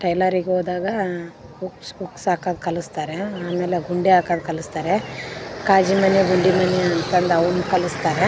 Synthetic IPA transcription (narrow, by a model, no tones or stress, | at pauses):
ʈɐjlaɾiɡeɦoːd̪aːɡɐ | buksbuksaːkaːd̪̚kɐlust̪aːɾeaːmeːleɡuɳɖiaːkaːd̪kɐlust̪aːɾekaːd͡ʒimɐniɡuɳɖimɐniɐnt̪ɐnd̪ɐunukɐlust̪aːɾe